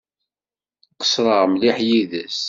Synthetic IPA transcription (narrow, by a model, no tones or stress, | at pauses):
qə̥sɾˤəʁmliħjiðəs